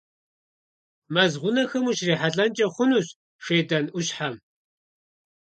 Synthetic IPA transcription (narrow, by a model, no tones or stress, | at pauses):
mɐzʁʷʊnɐxɐmuʃriːħaɮʼɐnt͡ʃʼɐχʷʊnuːɕ | ʂeːdɐnuɕħam